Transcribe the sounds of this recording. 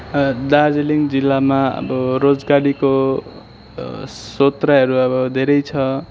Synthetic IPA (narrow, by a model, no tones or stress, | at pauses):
d̪ad͡zeliŋd͡zilːamaʌ̰bʌɾod͡zɡaɾiko | sot̪raɦʌɾuʌbʌd̪ʱeɾʌjt͡sʰʌ